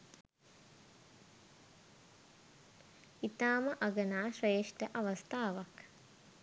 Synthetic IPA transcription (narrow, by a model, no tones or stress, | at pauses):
it̪aːməʔaɡənaːʃreːʂʈəʔaʋɐst̪aːʋak